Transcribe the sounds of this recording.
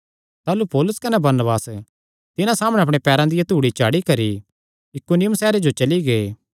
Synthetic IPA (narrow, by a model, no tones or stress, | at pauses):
t̪aːlupɔːlʊskɐnɛbɐɾnəbaːs | t̪ɪnãsaːməɽ̃ɛɐpɽ̃epɛːɾãd̪ɪjat̪uːɽit͡ʃaːɽikɐɾi | jɪkʊnɪjʊmsɛːɾed͡ʒot͡ʃɐliɡeː